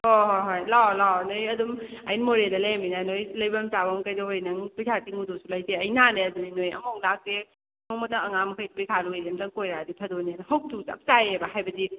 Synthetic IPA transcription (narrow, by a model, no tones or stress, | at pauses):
oɦoɦojlawlawnojɐdumɐjnmoɾedɐleminanojlɐjbɐmt͡ʃabɐmkɐjdɐɦojnɐŋpijkʰatiŋudosulɐjteɐjnaneɐduninojɐ̰mowlak̚te | momɐtɐŋɐŋamɐkʰajdpikʰaluejɾemtɐŋkojɾadipʰɐdonenɐɦɐw̚tusɐ̰p̚t͡ʃajebaɦajbɐdi